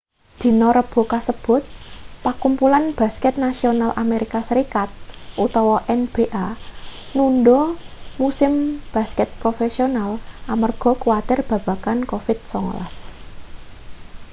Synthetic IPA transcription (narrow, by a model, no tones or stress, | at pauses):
d̪̥i̤nɔɾəb̥o̤kasəb̥ʊ̤t̪̚pakumpulanb̥a̤skɛt̪̚nasionalʔa̰meɾikasəɾikat̪̚ʔut̪ɔwɔʔɛnb̥e̤ʔa | nunɖɔmusɪmb̥a̤skɛt̪̚pɾofesionalʔamərɡ̥ɔ̤kuwat̪ɪrb̥ä̤b̥a̤kankofɪd̪̥̚sɔŋ̰la̰s